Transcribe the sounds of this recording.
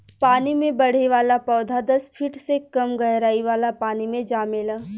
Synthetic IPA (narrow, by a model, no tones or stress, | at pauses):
paːnimẽbɐɽ̤eʋaːlapɔːd̪ʱad̪ɐspʰiʈsekɐmɡɐɦɾaːiʋaːlapaːnimẽd͡ʒaːmɪlɛ